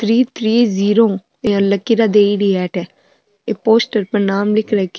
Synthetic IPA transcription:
t̪ʰɾiːt̪ʰɾiːziːɾoː | ãləkːiɾaːd̪eːiɽiːɛːʈɛː | eːpoːsʈəɾpəɾnaːmlɪkʰɾak

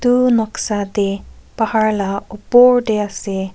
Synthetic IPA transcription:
t̪unɔksad̪ɛpahaɹlaupɔɹdɛasɛ

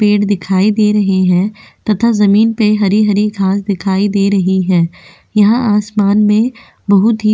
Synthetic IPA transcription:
peːʈd̪ɪkʰaːid̪eːɾɐɦeɦɛ̃ːt̪ɐt̪ʰazɐmiːnpeɦɐɾiɦɐɾiɡʱaːsd̪ɪkʰaːid̪eːɾɐɦiɦɛ̃ː | jɐɦãʔaːsmaːnmẽ | bɐɦʊt̪ɦi

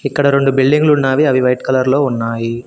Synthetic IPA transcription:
ɪkːɐɽɐɾoɳɖɯbɪlɖɪŋɡɐɭʊnːaːʋiɐʋiʋɐjʈkɐlɐɾloːʊnːaːji

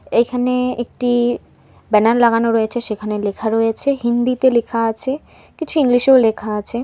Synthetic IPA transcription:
ejkʰaneek̚ʈi | bɛnaɾlaɡanoɾɔet͡ɕʰeʃekʰanelekʰaɾɔjet͡ɕʰeɦind̪it̪elekʰaat͡ɕʰe | kit͡ɕʰuiŋliʃewlekʰaat͡ɕʰe

